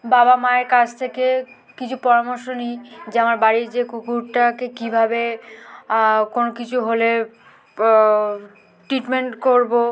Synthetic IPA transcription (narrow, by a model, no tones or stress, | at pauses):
babamaeɾkad͡ʑʰt̪ʰeke | kit͡ɕʰupɔɾamoɾʃonijd͡ʑamaɾbaɾiɾd͡ʑekukuɾʈakekibʱabe | konokit͡ɕʰuɦole | ʈɾiʈmeɳʈkoɾbo